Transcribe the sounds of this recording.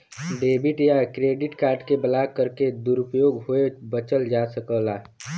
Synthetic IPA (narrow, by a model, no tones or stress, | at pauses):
ɖeːbɪʈjakɾeːɖɪʈkaːɾɖkebəlakəɾked̪uɾʊpjoːɡɦoebət͡ʃəld͡ʒaːsəkəːlaː